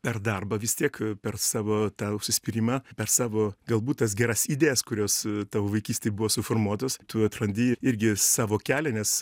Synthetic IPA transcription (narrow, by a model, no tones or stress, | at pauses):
pʲɛrd̪ɐrbɐʋʲɪst̪ʲiɛkpʲɛrsɑːʋoːt̪ɑːʊʃʲsʲɪsʲpʲɪɾʲiːmɑpʲɛrsɑːʋoːɡɐlˠbuːt̪̚t̪ɐs̬ɡʲɛɾɐsid̪ʲeːjɛskʊɾʲoːst̪ɑːʋoːʋɐɪkʲiːsʲt̪ʲeɪbʊʋoːsʊfoːrmuɔt̪oːst̪ʊɐt̪ɾɐnʲd̪ʲiːɪɾʲɡʲɪsɑːʋoːkʲæːlʲɛnʲɛs